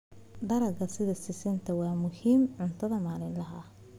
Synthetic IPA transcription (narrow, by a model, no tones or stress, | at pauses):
ɖɐɾɐɡɐsɪðɐsɪsɪnt̪ʰɐwɑːmʊhiːmʕʊnt̪ʰɐðɐmaːlɪnlɐɦɐ